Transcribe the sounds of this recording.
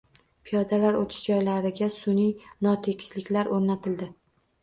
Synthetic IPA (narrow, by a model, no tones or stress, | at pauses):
pʰijɒd̪alaɾot̪ʰɪ̥ʃd͡ʒɒjlaɾɪɡʲasʊnijnɒt̪ʰe̞kʲʰɪ̥slɪkʲlaɾʔoɾnat̪ʰɪld̪ɪ